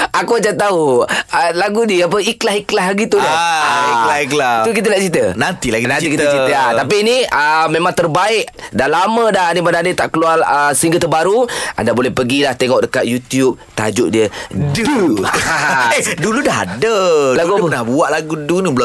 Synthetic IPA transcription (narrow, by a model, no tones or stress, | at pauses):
akuat͡ʃant̪auəlaɡudiəap̬əiklaɦiklaɦɡit̪udiiklahiklait̪ukit̪̬ənaʔt͡ʃit̪ənant̪ilaɡinant̪ikit̪ət͡ʃit̪əat̪ap̬iːniəmẽmãŋt̪ərbaɪʔ | dalamə̃daɦnimadãdit̪aʔkəlualəsəiŋɡət̪ərbaɾua̰ndabolɛhpəɡilaht̪eŋɔʔ̚dəkat̪̚jut̪jup̚t̪a̰d͡ʒuʔdiədu | duludaɦa̰dəlaɡɡupnabuaʔlaɡudunibəl